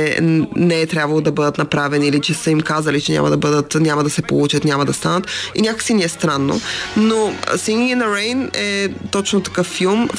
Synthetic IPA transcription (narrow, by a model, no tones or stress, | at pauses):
ɛnɛɛt̪ɾʲabvɐlˠod̪ɐbɤd̪ət̪nɐpɾavɛniilit͡ʃɛsəimkazɐlit͡ʃɛnʲa̰mɐ̰d̪ɐbɤd̪ət̪nʲamɐd̪ɐsɛpolˠut͡ʃət̪nʲamɐd̪ɐst̪anət̪inʲakəksiniɛst̪ɾanːo̰no̰siŋiinɐɾɛjnɛt̪ɔt͡ʃnot̪ɐ̥kɤfːilˠm